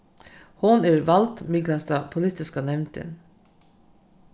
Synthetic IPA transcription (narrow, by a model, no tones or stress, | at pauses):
hʊnæːɾʋɑlt̪mɪɡlɑst̪ɑpʰʊliːt̪ɪskɑnɛʋnt̪ʰɪ̰n